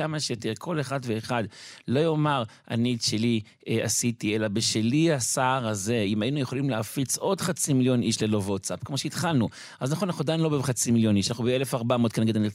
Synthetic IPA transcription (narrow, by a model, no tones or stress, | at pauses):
amaʃejot̪eʁkʰo̞leχad̪veːχad̪lo̞jo̞maʁ | a̰nitʃeli | a̰sitie̞labeʃeliasaːʁaze̞imajinujeχo̞limleafit͡so̞d̪χat͡similjo̞niʃle̞lovotsapkmo̞ʃeit̪χalnu | aznaχonanaχnudajnlo̞beχat͡similjo̞niʃanaχnubeelefaʁbamot̪̚keneɡedani